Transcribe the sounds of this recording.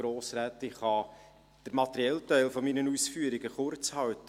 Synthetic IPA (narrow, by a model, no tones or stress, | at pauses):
ɾoːsɾæːtɪχɑ | d̥əɾmɑt̪əɾiɛltæɪlfɔminənuːsfyəɾiɡəχʊrt͡shɑwtə